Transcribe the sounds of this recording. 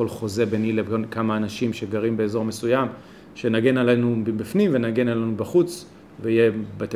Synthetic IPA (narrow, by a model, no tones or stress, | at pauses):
olχo̞zebenilevkamaːnaʃimʃe̞ɡaʁimbe̞ːzo̞me̞sujam | ʃe̞naɡe̞nalenubbifnimvenaɡe̞nalenubaχut͡s | veijebet̪